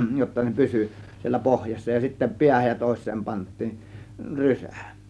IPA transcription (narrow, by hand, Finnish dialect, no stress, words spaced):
jotːɑ ne pysy sielːæ pohjɑsːɑ jɑ sitːæ piæhæj jɑ toˑe̝sˑeːm pɑntˑiːn rysæ̥ˑ